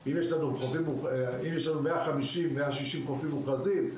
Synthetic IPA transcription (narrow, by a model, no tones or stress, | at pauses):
imjeʃlanukχofimːuχimjeʃ̬lanumeaχamiʃimːeaʃiʃimkofimːuχazim